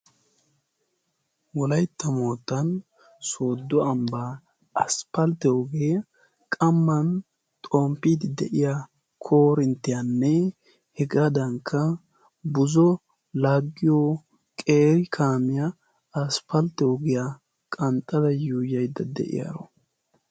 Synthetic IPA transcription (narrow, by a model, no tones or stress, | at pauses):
wɔlɐjt̪ːɐmoːt̪ːɐn | so̞ːd̪ːɔɐmbaː | ɐspɐlt̪ːɛɔɡe | kʼɐmːɐn | t̪ʼoːmpːiːd̪ɪd̪ɛ̰ʔɪja | kʰo̞ːɾɪnt̪ːɪjɐnːɛ | hɛɡad̪ɐŋkʰːɐ | bʊzɔ | laːɡːɪjɔ | kʼe̞ːɾɪkʰaːmɪjɐ | ɐspɐlt̪ːɛɔɡɪja | kʼɐnt̪ʼːɐd̪ɐjuːjɐjd̪ːɐd̪ɛ̰ʔɪ̰ja̰ɾɔ̰